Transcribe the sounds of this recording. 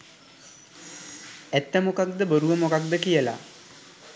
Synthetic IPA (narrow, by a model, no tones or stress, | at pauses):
ɛt̪ːəmokak̚d̪əboɾuʋəmokak̚d̪əkijəla̰